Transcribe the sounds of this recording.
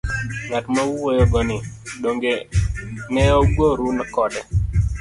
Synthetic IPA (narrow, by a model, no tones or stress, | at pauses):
ŋatmawuwojɔɡɔnɪɗoŋɡe | nɛɔɡwoɾunakɔdɛ